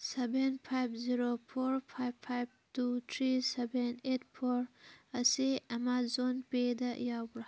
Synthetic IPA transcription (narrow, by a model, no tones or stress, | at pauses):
sebenpʰajbziɾopʰoɾpʰajbpʰajb̚tut̪ʰɾisebenetpʰoɾɐsiɐmazonped̪ɐjabɽa